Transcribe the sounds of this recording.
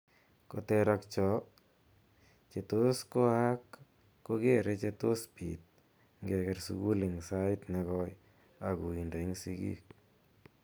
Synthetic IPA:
ko˨t̪ɛ˧ɾakt͡ʃɔ˨ | t͡ʃe˨t̪o˦sko˦a˦kː | oɡe˦ɾe˧t͡ʃe˧t̪o˦spi˨t̪̚ | ŋɡe˧kɛɾsṵɡu˦li˨ŋsa˦ɪt̪nɛ˧kɔ˦j | a˨ku˨i˨ndo˨i˦ŋsiɡḭk̚

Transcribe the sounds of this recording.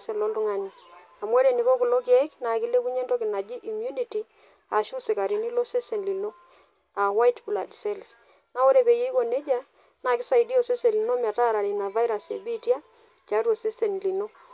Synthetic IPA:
se˨lo˦ndʊ˦ŋa˦ni˨ | a˨mwɛ˦ɾe˨ni˨ko˦kʊ˨lo˦kɪ˦ɛ˦kna˨ki˦le˦ku˦ɲe˦nto˦kɪ˨na˨d͡ʒi˦ʔi˨mju˦ni˨ti˨ | a˨ʃu˦sɪ˨ka˨ɾi˨ni˦lo˦se˦se˨nli˨no˦ | a˨wa˦jtbu˨la˨dse˦ls | na˦o˦ɾe˨pe˨je˦i˦ko˨ne˦d͡ʒa˦ | na˨kɪ˦sa˨i˨di˦o˨se˦se˨li˨no˦m˨a˨ta˦˨ɾa˨ɾe˨na˨va˦jɾa˨se˨bi˦tja˦ | t͡ʃa˨˦to˨se˦se˨n˨li˨no˦

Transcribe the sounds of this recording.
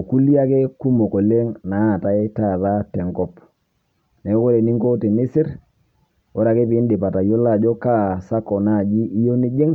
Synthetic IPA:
o˨ku˦li˦a˦ke˦ku˦mo˨ko˨le˦ŋna˨˦˨ta˨ɪ˦ta˦˨ða˦tɛ˨ŋkɔ˦p | ne˨˦ko˦ɾe˨ni˦ŋko˦te˨nɪ˦sɪ˦ɾ | wɔ˦ɾa˨ke˦pi˨˦n˦dɪ˨pa˨ta˨jo˦la˦˨d͡ʒɔ˦ka˦˨sa˦kɔ˨na˦˨d͡ʒi˦ʔi˦jo˦ni˦d͡ʒe˦ŋ

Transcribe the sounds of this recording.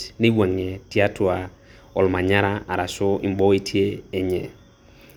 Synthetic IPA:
ne˦wa˨ŋe˨ti˦a˦twa˨ | ɔ˨lma˨ɲa˦ɾa˦a˨ɾa˨so˦ḭ˨mbɔ˦i˦tʰje˦e˨ɲɛ˨

